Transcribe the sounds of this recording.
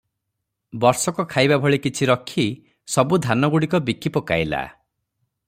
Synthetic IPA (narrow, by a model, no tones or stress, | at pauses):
bɔɾsɔkɔkʰajbabʱɔɭikit͡ʃʰiɾɔkʰi | sɔbud̪ʱanɔɡuɽikɔbikʰːipɔka̰jla̰